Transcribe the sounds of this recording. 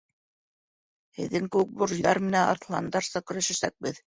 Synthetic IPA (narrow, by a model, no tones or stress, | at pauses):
hɘ̆ðːɘŋkɘ̆wɘk̚buɾʒðɑɾmɘ̆nænɑ̰θlˠɑ̰nd̪ɑɾsɑkɵ̆ɾæ̆ʃɘ̆sæk̚bɘð